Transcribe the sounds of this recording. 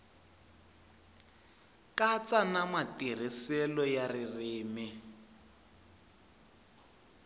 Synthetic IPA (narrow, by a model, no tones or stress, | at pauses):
kat͡sanamatir̤isɛlɔjaririːmi